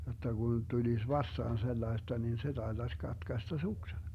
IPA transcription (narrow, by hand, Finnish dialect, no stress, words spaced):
jotːɑ ɡ̊un tulis ʋɑstɑːn selːɑestɑ nin se tɑetɑsʲ kɑtkɑstɑ suksen